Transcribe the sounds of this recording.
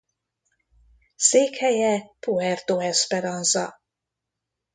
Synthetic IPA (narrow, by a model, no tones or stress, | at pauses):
seːkhɛjɛpuɛrt̪oɛspɛɾɒnzɒ̰